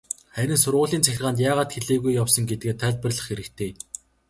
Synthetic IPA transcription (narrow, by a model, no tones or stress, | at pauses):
χæɾʲɪ̆nsʊrʁʊːɮiːnt͡sʰæxʲɪ̆rʁaːnt̪̬jaːʁaːt̪xeɮeːɣujːawsə̆ŋɡet̪ɘ̆ɡeːt̪ʰːæːɮʲpə̆rɮə̆χxeɾɘ̆kt̪ʰeː